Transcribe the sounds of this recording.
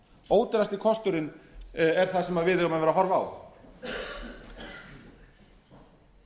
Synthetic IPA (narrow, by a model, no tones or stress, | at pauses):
oːwt̪ɪɾast̪ɪkʰɔst̪ʏɾɪnɛɾ̥θasɛmavɪðɪɣamɛnvɛɾaɦɔɾva̰ːw